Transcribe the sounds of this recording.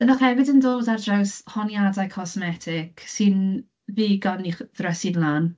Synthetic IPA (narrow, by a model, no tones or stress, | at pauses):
əðaχɛvɪdəndoːdardrawshɔnjadajkʰɔsmɛtʰɪkʰsɪn | viːɡɔniχðrɛsidlˠaːn